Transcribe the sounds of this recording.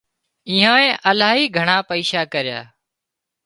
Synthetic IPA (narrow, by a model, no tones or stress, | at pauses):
iːɦãːẽːʔəlaːɦiːɡʱəɳaːpəiːʃaːkəɾɪja̰ː